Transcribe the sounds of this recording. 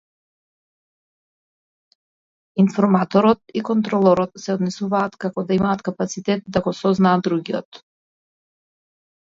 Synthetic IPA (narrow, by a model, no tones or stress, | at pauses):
infɔɾmat̪ɔɾɔt̪ikɔnt̪ɾɔlˠɔɾɔt̪sɛɔd̪nɛsuvaːt̪kakɔd̪aimaːt̪kapat̪sit̪ɛt̪̚d̪aɡɔsɔznaːd̪d̪ɾuɡiɔ̰t̪